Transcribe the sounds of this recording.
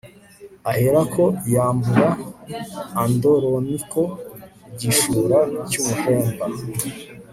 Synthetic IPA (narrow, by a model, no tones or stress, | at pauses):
aheɾakʰojaːmbuɾaː | ndoɾonikʰo̞ | ɟiʃuːɾacumuheːmba